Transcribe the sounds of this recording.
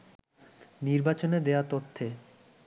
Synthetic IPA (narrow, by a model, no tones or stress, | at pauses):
niɾbat͡ɕoned̪eat̪ot̪ʰːe